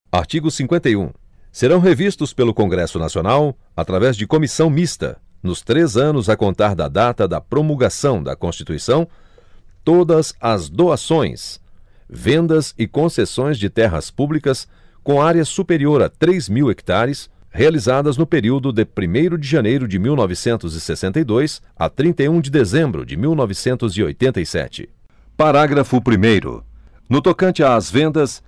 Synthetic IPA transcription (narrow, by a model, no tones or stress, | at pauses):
a̰ɾt͡ʃiɡʊsĩŋkwẽnt̪ɐjṵ̃ | seɾɐ̃w̃ɦevist̪ʊspelʊkõŋɡɾɛsʊnasionaw | at̪ɾavɛzd͡ʒɪkomisɐ̃w̃mist̪ɐ̰nʊst̪ɾezɐ̃nʊzɐkõnt̪aɾd̪ɐ̰d̪at̪ɐd̪ɐpɾomulɡasɐ̃w̃d̪ɐ̰kõst͡ʃi̥t̪uisɐ̃w̃ | t̪od̪ɐzɐzd̪oasõj̃s | vẽnd̪ɐzɪkõsesõj̃zd͡ʒɪt̪ɛɦɐ̰spublikɐs | kõaɾjɐsupeɾioɾɐ̰t̪ɾezmiweki̥t̪aɾɪshealizad̪ɐznʊpeɾiwd̪ʊd̪ɪpɾimejɾʊd͡ʒɪʒɐnejɾʊd͡ʒɪmiwnɔvɪsẽnt̪ʊzɪsesẽnt̪ɐjd̪ojs | ɐ̰t̪ɾĩnt̪ejũd͡ʒɪd̪ezẽmbɾʊ̰d͡ʒɪmiwnɔvɪsẽnt̪ʊzɪo̰jt̪ẽnt̪ɐijsɛ̰t͡ʃɪ̰ | paɾaɡɾɐfʊpɾimejɾʊ̰ | nʊt̪okɐ̃t͡ʃɪaːzvẽnd̪ɐs